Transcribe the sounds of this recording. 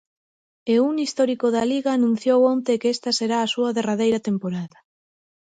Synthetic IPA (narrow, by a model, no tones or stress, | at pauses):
euŋist̪ɔɾikoðɐliɣaːnũn̟θjowont̪ekest̪ɐseɾaːsuɐðeraðejɾɐt̪empoɾaðɐ